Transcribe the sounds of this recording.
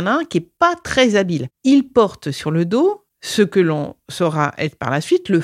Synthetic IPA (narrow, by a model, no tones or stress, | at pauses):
nɛ̃kʲiɛpat̪χɛzabililpɔʁt̪syʁləd̪o | səkəlɔ̰̃sɔʁaʔɛ̰t̪χpa̰ʁlasɥit̪lə